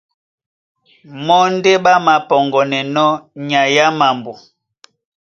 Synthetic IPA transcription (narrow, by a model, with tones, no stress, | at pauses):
mɔ˦n˦de˦ɓa˦ma˨pɔ˨ŋɡɔ˨nɛ˨nɔ˦ɲa˨ja˦ma˨mbu˨